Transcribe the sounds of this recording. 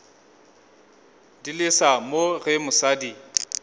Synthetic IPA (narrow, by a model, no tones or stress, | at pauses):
dilɪsamoɣɪmʊsadi